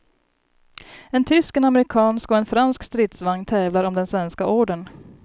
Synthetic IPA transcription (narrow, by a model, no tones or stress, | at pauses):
ɛnt̪ʰʏskɛnamɛɾɪkʰɑːnskɔɛnfɾanskst̪ɾɪːt̪svaŋːt̪ʰɛːvlaɾɔmd̪ɛnsvɛnskaʔoːɖən